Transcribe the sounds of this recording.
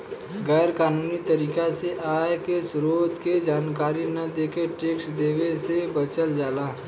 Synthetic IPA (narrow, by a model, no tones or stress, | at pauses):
ɡɛːɾkaːnuːnit̪ɐɾiːkaseʔaːjkesʊɾoːd̪ked͡ʒaːnkaːɾinɐd̪eːkeʈeːksd̪eːwesebɐt͡ʃəld͡ʒaːlaː